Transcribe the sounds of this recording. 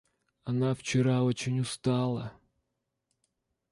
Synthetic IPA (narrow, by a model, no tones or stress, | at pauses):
ɐnɑwt͡ʃɪɾɑɔt͡ʃɪnʲʊst̪ɑlˠɐ